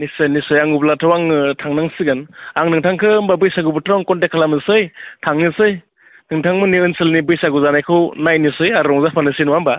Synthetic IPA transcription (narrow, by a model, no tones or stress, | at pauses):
nisɯjnisɯjaŋublatʰɯwaŋɯtʰaŋnaŋsiɡɯnaŋnɯŋtʰaŋkʰɯmbabɯjsaɡubɯtʰawaŋkɔntekʰalamɯsɯjtʰaŋnisɯj | nɯŋtʰaŋmɯniɯnsɯlnibɯjsaɡuzanajkʰɯwnajnisɯjaɾɾɔŋzapʰanɯsinuwamba